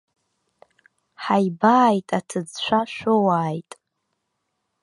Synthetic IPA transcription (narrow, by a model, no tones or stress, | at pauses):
ħajbaːjtʼatʰɨd͡zt͡ʃʷʰaʃʷowaːjtʼ